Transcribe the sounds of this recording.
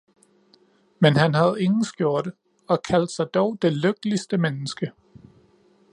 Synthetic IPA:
menhænɦæð̞̩ˠe̝ŋn̩sɡ̥jo̝ɐ̰d̥ə | ɒ̽kʰæl̰d̥sɑ̈ɪd̥ɒʊd̥e̝løɡ̥̚lisd̥əmenəsɡ̥ə

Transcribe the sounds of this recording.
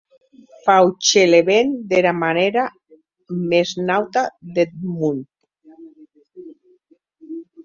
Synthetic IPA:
fawt͡ʃeleβend̪eɾamaneɾa | meznawt̪aðet̪̚mun

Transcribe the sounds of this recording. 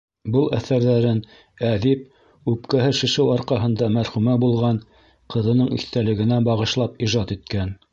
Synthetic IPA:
bɤlˠæ̰θæɾðæɾɘn | æðip̚ | ʉpkæɦɘʃɘ̆ʃɘwɑɾqɑɦɤ̆nd̪ɑmæɾχʉmæbulˠʁɑn | qɤ̆ðɤ̆nɤɴḭθt̪ælɘ̆ɡɘ̆næbɑʁɤ̆ʃlˠɑpiʒɑt̪it̪̚kæn

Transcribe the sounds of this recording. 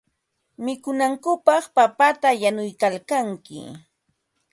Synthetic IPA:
mɪkʊnaŋkʊpɑχpapat̪ajanʊjkalkaŋkɪ̰

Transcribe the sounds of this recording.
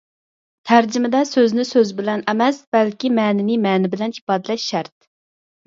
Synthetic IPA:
t̪ʰæɾd͡ʒɪmɪd̪ɛsøznɪsøzbɪlɛnɛmɛsb̥ɛlkʲimɛːnɪnɪmɛːnɪbɪlɛnipɑːd̪ɪlɛʃʃæɾt̪̚

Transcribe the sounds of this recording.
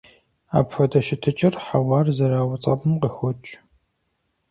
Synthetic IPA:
a̰ːpfɐdɐʃɪtʰɨt͡ʃʼɪrħawɑːrzɐɾaːwɐt͡sʼɐ̰bɨmqəxʷɔt͡ʃʼ

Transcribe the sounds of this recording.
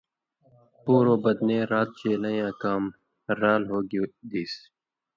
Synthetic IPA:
puːɾoːbəd̪nẽːɾaːt̪̚t͡ʃeːlãjãːkaːm | ɾaːlɦoːɡud̪iːs

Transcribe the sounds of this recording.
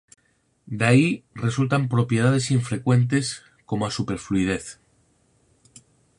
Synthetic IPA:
d̪aire̞sult̪ampɾo̞pje̞ð̞að̞e̞siɱfɾe̞kwe̞nt̪̬e̞s | ko̞moasupe̞ɾfluið̞e̞θ

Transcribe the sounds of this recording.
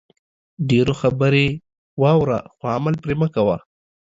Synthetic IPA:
ɖeɾoxabəɾe | wɑwɾa̰xoamalpɾeməkawa

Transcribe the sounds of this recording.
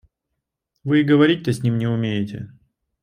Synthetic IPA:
vɨɪɡəvɐɾʲit̚ʲt̪əsʲnʲimnʲɪʊmʲejɪtʲɪ̰

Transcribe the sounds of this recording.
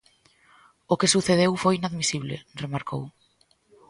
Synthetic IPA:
okesuθeðewfojinaðmisiβlḛremaɾkʰo̰w

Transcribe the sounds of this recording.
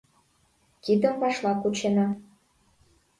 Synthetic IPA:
kid̪ə̆mpɑʃlɑkut͡ɕenɑ

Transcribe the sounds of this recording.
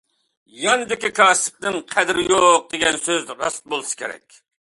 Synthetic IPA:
jɑnɨd̪ɪkʲikʰɑːsɨ̥p̚nɪŋqʰæd̪ɾɪjoq̚d̪eɡʲɛnsøzɾɑ̰st̪̚bolˠɨsɨ̥kʲeɾɛ̰kʲ

